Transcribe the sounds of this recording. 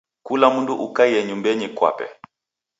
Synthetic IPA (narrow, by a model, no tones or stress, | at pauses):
kulamunduʔukaijɛɲumbɛɲikwa̰pɛ̰